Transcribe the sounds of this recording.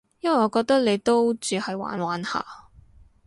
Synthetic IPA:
jɐ˥nwɐ˨jɔː˨˧˥kɔː˧k̚t̪ɐ˥k̚le˨˧jt̪o˥wt͡syː˨˧hɐ˨jwa̰ː˨˥nwaː˨˥nha̰ː˨˩

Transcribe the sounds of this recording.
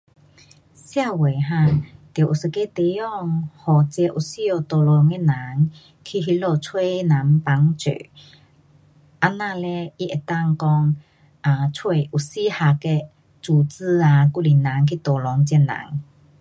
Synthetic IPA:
sja˥˧˨we˨˩ɦã˧˨t̪jʔu˨sə˧ke˧˦t̪e˧˦jɔ˧˨ŋhɔ˨˩t͡ɕɛ˧ʔu˨˩si˦jɔ˧˩t̪ɔ˨˩lɔ˨˧˦ŋe˧˨na˨˦ŋ | kʰi˧˨ɦi˧˦lɔ˧˩t͡sʰwe˥˧˦na˨˦mpa˨˦ŋt͡sø̰˨ | ʔa˧nã˧˨lɛ˧i˧ʔe˨˩t̪a˥˧˨ŋkɔ˧ŋ | ʔa˨˧t͡sʰwe˧˩jʔu˨˩si˦ha˧˩kɛ˧ | t͡suː˧˩t͡sɨ˧a˧ku˧˨li˨˩na˨˦ŋkʰi˧˨t̪ɔ˨˩lɔ˨˧˦ŋt͡ɕjɛ˧˩na̰˨˦ŋ

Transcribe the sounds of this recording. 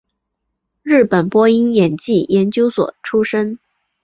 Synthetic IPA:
ɻɻ̩˥˩pə˨˩npwɔ˥i˥ŋjɛ˨˩nt͡ɕi˥˩jɛ˧˥nt͡ɕjo˥ʊswɔ̰˨˩ʈ͡ʂʰu˥ʂə˥ŋ

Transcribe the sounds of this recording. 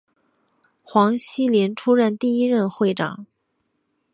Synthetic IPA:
xwɑ˧˥ŋɕi˥ljɛ˧˥nʈ͡ʂʰu˥ɻə˥˧nt̪i˥˧i˥ɻə˥˧nxwe˥˩ɪʈ͡ʂɑ̰˨˩˦ŋ

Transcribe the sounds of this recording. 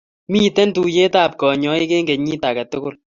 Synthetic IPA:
mi˦tɛ˦ntu˨je˦taː˦˨p̚kɔ˨ɲɔ˦i˦ke˦ŋɡe˨ɲiː˦ta˨kɐ˨tʊ˦kʊ˦l

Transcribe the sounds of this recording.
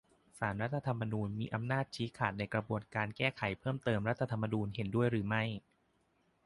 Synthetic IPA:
saː˩˦nɾa˦˥t̪ʰːa˧t̪ʰa˧mːa˧nuː˧nmiː˧ʔa˧mnaː˥˩t̪̚t͡ɕʰiː˦˥kʰaː˨˩t̪̚na˧jkɾa˧bu˧˩ənkaː˧nkɛː˥˩kʰa˨˩˦jpʰɤː˥˩mt̪ɤː˧mɾa˦˥t̪ʰːa˧t̪ʰa˧mːa˧nuː˧nɦe˩˦ndu˥˩əjɾɯː˩˦ma˥˩j

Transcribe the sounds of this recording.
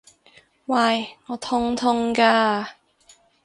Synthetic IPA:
waː˧˩jŋɔː˨˧t̪ʰʊ˥ŋt̪ʰʊ˥ŋkaː˧

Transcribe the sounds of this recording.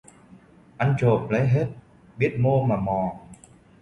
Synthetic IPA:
ʔa˧jŋ̟t͡ɕo˨˩p̚la˨˦jɦe˦˥t̚ | ɓi˦˥ət̚mo˧maː˨˩mɔ˨˩

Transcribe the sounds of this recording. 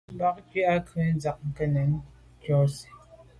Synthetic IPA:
ba˦k̚ki˦a˦kɛ˨˦n˦d͡za˨k̚ŋ̩˨kɛ˦nɛ˨˦n˦ | kjɔ˦si̥˨

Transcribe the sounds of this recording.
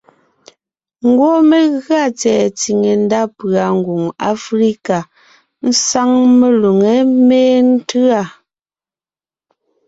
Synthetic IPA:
ŋ̩˦˨ɡwɔ˦me˨ɣɰa˦˨t͡sɛː˨t͡si˨ŋe˨n̩˦da˦pɰa˨ŋ̩˨ɡu˨ŋa̰˦fɾi˦ka˨ | n̩˦sa˦ŋme˨lu˨ŋe˨˦meː˦n̩˦tʉ˦a˦˨

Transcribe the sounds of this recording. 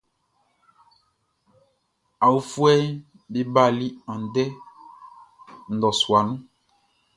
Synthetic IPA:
a˨wu˦fu˦ɛ˦ | be˦ba˦˨li˦ã˨dɛ˦ | n̩˨dɔ˨su˨a˨nũ˦

